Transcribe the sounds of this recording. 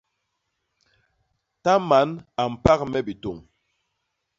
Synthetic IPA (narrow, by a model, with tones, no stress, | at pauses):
ta˦ma˨˦na˨m̩˨pa˦kmɛ˦bi˨to˨ŋ